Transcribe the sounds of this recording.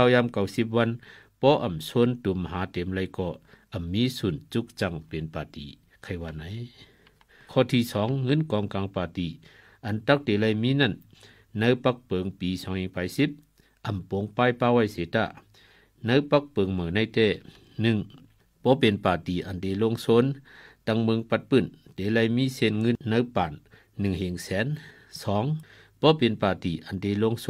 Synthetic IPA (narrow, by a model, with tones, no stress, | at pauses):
a˧wjaː˧˥˨mka˧˩wsi˧˥p̚wa˧˨n | pɔː˧˦ʔa˨˩msʰo˧˥˨nt̪u˨˦mɦaː˨˦t̪e˨˦mla˧jkɔː˧˩ʔa˨˩mːiː˦˥˨su˨˩nt͡ɕu˧˦k̚t͡ɕa˧˨ŋpe˨npaː˨˩t̪ḭː˨˦ | kʰa˧˩jwaː˧˨na˨˧˦j | kʰɔː˧˨t̪ʰiː˧˨sɔː˨˦ŋːɤ˧˥˨nkɔː˨˧˦ŋkaː˨˧˦ŋpaː˨˩t̪i˨˩ | ʔa˨˩nt̪a˧˥k̚te˨˧˦la˧˨jmiː˧˥˨na˧˥˨n | na˧˥wpa˧˥k̚pɤ˨ŋpiː˨˦sɔː˨˦ŋji˧ŋpaː˨˧˩jsi˧˦˥p̚ | ʔa˨˩mpo˨˧˦ŋpaː˧˥jpaː˧˨wa˧˨jseː˨˦t̪a̰˧˩ | na˧˥˦wpa˧k̚pɤː˨ŋma˨na˧˨jt̪ɛː˧˩ | nɯ˧˩˨ŋ | b̥ɔː˧˦pe˨npaː˨˩t̪iː˨˩ʔa˨˩ndeː˧˦lo˧˨ŋso˧˥˨nt̪a˧ŋmɯ˧˥˨ŋpa˧t̪̚pɯ˧˩˨nde˨˦la˧˩jmiː˧˥˨se˧˩nŋɯ˧˥˨nːa˧wpaː˨nː | ɯ˨ŋhe˨˩ŋsɛː˨˦n | sɔː˨˦ŋ | b̥ɔː˧˦pe˨npaː˨˩t̪iː˨˩ʔa˨˩ndeː˧˩lo˧˨ŋs